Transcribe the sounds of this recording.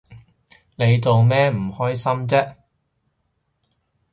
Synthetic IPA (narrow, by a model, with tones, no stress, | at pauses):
ne˨˧jt͡so˨wmɛː˥m̩˨˩hɔː˥jsɐ˥mt͡sɛː˥